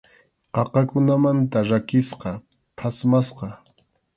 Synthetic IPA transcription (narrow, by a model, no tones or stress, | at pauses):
qɑqɑkʊnamant̪aɾakɪsqɑ | pʰasmasqɑ